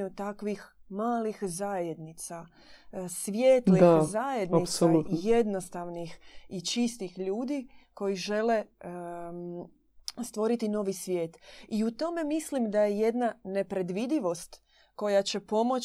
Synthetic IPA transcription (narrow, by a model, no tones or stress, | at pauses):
ut̪akʋix | maːlixzajed̪nit̪sa | sʋjeːt̪liaxzajed̪naisolut̪je̞d̪no̞st̪aʋnixit͡ʃist̪ixʎuːd̪iko̞jiʒe̞le̞ | st̪ʋo̞ɾit̪ino̞ʋisʋʲje̞ːt̪iut̪o̞me̞mislimd̪ajeje̞d̪nane̞pɾe̞d̪ʋid̪iʋo̞st̪ | ko̞jat͡ɕe̞po̞mo̞